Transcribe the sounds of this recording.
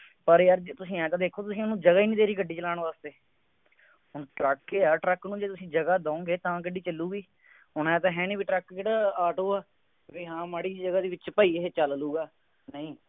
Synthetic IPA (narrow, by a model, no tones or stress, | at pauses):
pəɾjəɾt̪ʊsĩːɛ̃ːt̪ãːd̪eːkʰːoːt̪ʊsĩːnːũːd͡ʒəɡaːiːnĩːd̪eːɾiːkəɖːiːt͡ʃəlaːɳʋaːst̪eː | ɦʊɳʈɾəkːeːaːʈɾəknũːd͡ʒeːt̪ʊsĩːd͡ʒəɡaːd̪ãːõːɡeːt̪ãːkəɖiːt͡ʃəlːuːɡiː | ɦʊɳɛ̃ːt̪̬ãːɦɛ̃ːniːbiːʈɾəkkeːɽaːaːʈoːaː | ʋiːɦãːmaːɽiːd͡ʒəɡaːd̪iːʋɪt͡ʃpaːiːeeːt͡ʃəlluːɡaː | nəĩː